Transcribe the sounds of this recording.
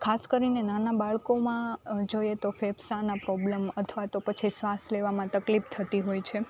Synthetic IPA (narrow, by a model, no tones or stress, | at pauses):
kʰaskəɾinenanabaɭkomãd͡ʒojet̪ofebsanapɾɔblemət̪ʰəʋat̪opət͡ʃʰisʋasleʋamãt̪əklipt̪ʰət̪iɦojt͡ʃʰe